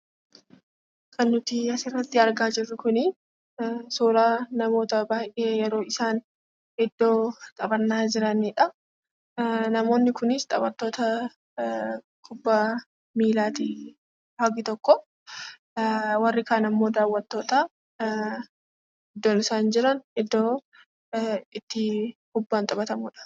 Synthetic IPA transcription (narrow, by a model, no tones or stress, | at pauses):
kʰɐnːʊt̪ɪɐsɪrːɐt̪ːɪɐɾɡaːd͡ʒɪrːʊkʊnɪ | suːɾaːnɐmo̞ːt̪ɐbaːjʔe̞ːjɛɾo̞ːɪsaːn | hɛd̪ːo̞ːt̪ʼɐbɐnːaːd͡ʒɪɾɐniːᶑɐ | nɐmo̞ːnːɪkʊnɪst̪ʼɐbɐt̪ːo̞ːt̪ɐ | kʰʊbːɐ | miːlaːt̪ɪ | haɡɪt̪ɔkːɔ | wɐrːɪkaːnɐmːo̞ːd̪aːwːɐt̪ːo̞ːt̪a | ɛd̪ːoːnɪsaːnd͡ʒɪɾɐnhɛd̪ːoː | ɪt̪ːɪkʊbːaːnt̪ʼɐbɐt̪ɐmuːᶑɐ̥